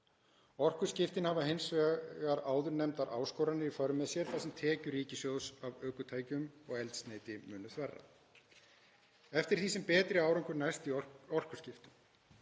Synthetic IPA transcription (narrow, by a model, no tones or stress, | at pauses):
ɔr̥kʏ̥scɪft̪ɪnhavaɦejnsvɛɣaɾaːwðʏɾnɛmt̪aɾʔa̰ːwskowɾanɪɾifœɾʏmɛðsjɛɾ̥θasɛmt̪ʰɛːcʏɾiːcɪsjowsavœːkʏt̪ʰaːjcʏmɔɣɛlt̪st̪neːjt̪ɪmʏːnːʏθvɛrːa̰ | ɛft̪ɪɾ̥θisɛmpɛːt̪ɾɪaːwɾɔŋkʏɾnajst̪iɔr̥kʏ̥scɪft̪ʏm